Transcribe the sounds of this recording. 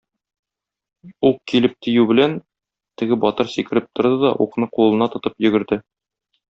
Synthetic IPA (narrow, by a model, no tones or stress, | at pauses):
uqkilɘp̚t̪ĭjʉbɘ̆læn | t̪ɘ̆ɡɘbɒt̪ɤɾsikɘ̆ɾɘp̚t̪ŏɾd̪ɤd̪ɒʔuqnɤqulˠɤ̆nɑt̪ŏt̪ɤpjɵ̆ɡɘ̆ɾd̪ɘ